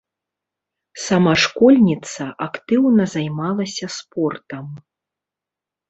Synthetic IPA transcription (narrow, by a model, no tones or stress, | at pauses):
sɐmaʂkɔlʲnʲit̪sɐʔakt̪ɨwnɐzajmalˠɐsʲɐspɔrt̪ɐm